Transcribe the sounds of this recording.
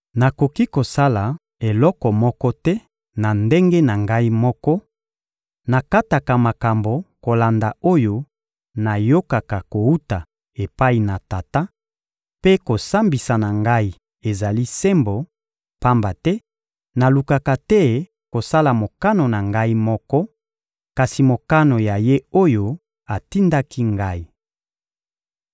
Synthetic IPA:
na˨ko˨ki˦ko˨sa˦la˨ | e˨lɔ˦kɔ˨mɔ˦kɔ˦tɛ˦ | na˨nde˦ŋɡe˦na˨ŋɡa˦i˦mɔ˦kɔ˦ | na˨ka˦ta˨ka˨ma˨ka˨mbo˨ko˨la˨nda˨o˦jo˦ | na˨jo˦ka˨ka˨ko˨u˦ta˨ | e˨pa˦i˨na˨ta˨ta˦ | pe˦ko˨sa˦mbi˨sa˨na˨ŋɡa˦i˦ | e˨za˨li˦sɛ˦mbo˨ | pa˦mba˨tɛ˦ | na˨lu˨ka˨ka˨tɛ˦ | ko˨sa˦la˨mo˨ka˦no˨na˨ŋɡa˦i˦mɔ˦kɔ˦ | ka˨si˨mo˨ka˦no˨ja˨je˦o˦jo˦ | a˨ti˦nda˦ki˦ŋɡa˦i˨

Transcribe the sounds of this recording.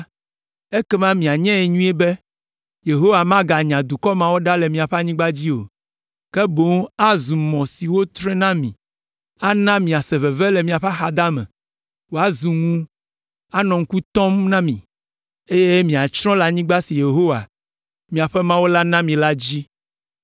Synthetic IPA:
e˦kɛ˦mã˦mĩ˨a˨ɲɛ̃˦ɛ˨ɲũ˦ɛ˦bɛ˦ | je˨ɦo˦wa˨mã˦ɡa˨ɲã˨d̪u˨kɔ˦mã˦wo˦ɖa˦lɛ˨mĩ˨a˨ɸɛ˦a˦ɲĩ˦ɡ͡ba˦d͡ʑi˦o̰˨ | kɛ˦bo˨˦ŋa˦zu˨mɔ̃˨si˨wo˦t̪ɾɛ̃˦nã˦mĩ˨ | a˦nã˦mĩ˨a˨sɛ˨vɛ˨vɛ˦lɛ˨mĩ˨a˨ɸa˦xa˨d̪a˦mɛ̰̃˨ | wo˦a˨zu˨ŋũ˦ | a˦nɔ̃˨ŋ̩˦ku˦t̪ɔ̃˦mnã˦mĩ˨ | e˦je˦mĩ˨a˨t͡ʃɾɔ̃˦la˦ɲĩ˦ɡ͡ba˦si˨je˨ɦo˦wa˨ | mĩ˨a˨ɸɛ˦mã˦wo˦la˦nã˦mĩ˨la˦d͡ʑi˦

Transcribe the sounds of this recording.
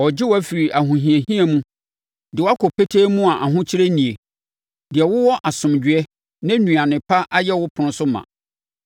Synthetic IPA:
ɔ˨d͡ʑɪ˦wɔ˦æ˦fi˨ɾi˨ʔa˨ɦũ˨ɦĩ˨e˨ɦĩ˦ɛ˨mũ˦ | dɪ˨wɔ˦a˦kʰɔ˨pʰe˦tʰeː˦mũ˦a˨ʔa˨ɦʊ̃˦t͡ɕʰɪ˦ɾe˦nĩ˨e˨ | dɪ˨ɛ˨wʊ˦wɔ˦ʔa˨sʊ̃˨md͡ʑɥɛ˦ | nã˦nũ˨ã˨nɪ̃˨pʰa˦ʔa˦jɛ˦wʊ˦pʰʊ̃˨ñ˨˦sʊ˦mã̰˨

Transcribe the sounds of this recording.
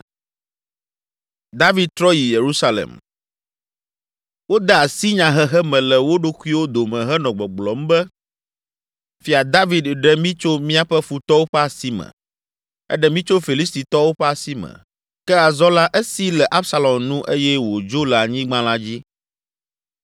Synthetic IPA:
d̪a˦vi˨d̪̚t̪ɾɔ˦ji˨je˨ɾu˦sa˦lḛ˨m | wo˦d̪ɛ˦a˨si˦ɲã˨ɦɛ˦ɦɛ˦mɛ̃˨lɛ˨wo˦ɖo˦ku˦i˦wo˦d̪o˨mɛ̃˨ɦɛ˦nɔ̃˨ɡ͡bɔ˨ɡ͡blɔ˨m˦bɛ˦ | fi˦a˨d̪a˦vi˨d̪ɖɛ˦mĩ˦t͡ʃo˦mĩ˦a˦ɸɛ˦fu˨t̪ɔ˦wo˦ɸɛ˦a˨si˦mɛ̰̃˨ | ɛ̰˦ɖɛ˦mĩ˦t͡ʃo˦fi˨li˦st̪i˨t̪ɔ˦wo˦ɸɛ˦a˨si˦mɛ̰̃˨ | kɛ˦a˨zɔ˦la˦ʔe˦si˦lɛ˨ʔa˦bsa˦lɔ˨mnũ˦ʔe˦jɛ˦wo˨d͡ʒo˦lɛ˨a˨ɲĩ˦ɡ͡bã˦la˦d͡ʑi˦

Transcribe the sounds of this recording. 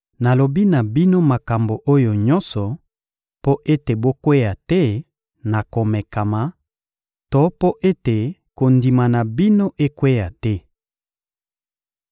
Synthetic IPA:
na˨lo˨bi˦na˨bi˦no˦ma˨ka˨mbo˨ʔo˦jo˨ɲɔ˦nsɔ˨ | po˦ʔe˦te˨bo˦kwe˦ja˨tɛ˦ | na˨ko˨mɛ˨ka˨ma˨ | to˦po˦ʔe˦te˨ko˨ndi˨ma˨na˨bi˦no˦ʔe˦kwe˦ja˨tɛ˦

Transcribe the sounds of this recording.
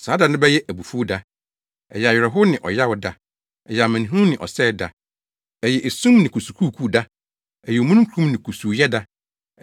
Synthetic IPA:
saː˨˦da˨nʊ̃˦bɛ˦jɛ˦ʔæ˨bu˨fu˦da˦ | ɛ̰˨jɛ˨a˨ɥɪ˨ɾɛ˨ɦʊ˦nɪ̃˨ʔɔ̰˨ja˦wʊ˦da˦ | ɛ˨jɛ˨a˨mæ̃˨ñ˨ɦũ˦nɪ̃˨ʔɔ̰˨sɛː˦˨da˨ | ɛ˨jɛ˨ʔe˨sũ˦mnɪ̃˨kʰu˨su˨kʰuː˦˨kʰu˦˨da˦ | ɛ˨jɛ˨o˨mũ˦ñ˦kʰũ˦mnɪ̃˨kʰu˨su˨jɛ˦da˦

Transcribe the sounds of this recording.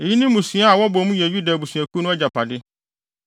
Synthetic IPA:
e˨ji˦nĩ˦mũ˨sũ˨˦a˦a˨wɔ˦bɔ˨˦mũ˦jɛ˨ju˦da˨bu˨sɥæ˨kʰu˦nʊ̃˦ɛ˦d͡ʑa˨pʰa˨dɪ˦

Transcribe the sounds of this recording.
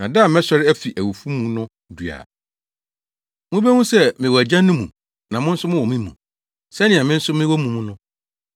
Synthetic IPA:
nã˨da˦˨mɛ̃˦ɕɔ˦ɾɪ˦æ˦fi˨ʔæ˨wu˨fu˦mũ˦nʊ̃˦ | du˨a̰˨ | mũ˦be˦mũ˦sɛ˦mɪ̃˨wɔ˨æ˨d͡ʑã˦nːʊ̃˦mṵ̃˨ | nã˨mʊ̃˦n̩˦sʊ˦mʊ̃˦wɔ˨mĩ˦mũ˨ | sɛ˦nɪ̃˨ɛ˨mɪ̃˦n̩˦sʊ˦mɪ̃˦wɔ˦mũ˦mũ˦nʊ̃˦

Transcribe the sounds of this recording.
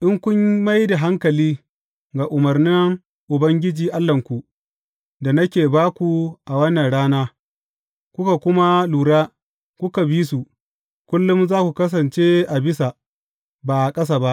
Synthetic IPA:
ʔɪ˦ŋkʷʊ˦ɲma˦jda˨ɦa˦ŋkɐ˨liː˦ | ɡa˨ʔʊ˨mɐ˨rnɪ˦ŋ | ʔʊ˨bɐ˦ŋɡʲɪ˦d͡ʒiː˨ʔa˦lːɐ˨ŋkʷu˨ʔ | da˨nɐ˦kʲeː˨baː˦kʷu˨ʔa˨wɐ˦nːɐ˨nɽaː˦naː˦ | kʷʊ˦ka˨kʷʊ˦ma˦luː˨ɽaː˦ | kʷʊ˦ka˨biː˦su˨ | kʷʊ˦lːʊ˦mzaː˦kʷu˨kɐ˦s̬ɐ˨nt͡ʃe˦ʔa˨bɪ˦sa˨ | baː˨ʔa˨kʼɐ˦s̬a˨ba˦ʔ

